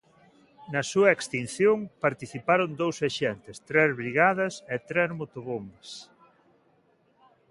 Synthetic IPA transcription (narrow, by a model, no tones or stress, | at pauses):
nɐsuɐekst̪in̟θjoŋpaɾt̪iθipaɾond̪owseʃɛnt̪est̪ɾɛzβɾiɣað̞ɐset̪ɾɛzmot̪oβombɐs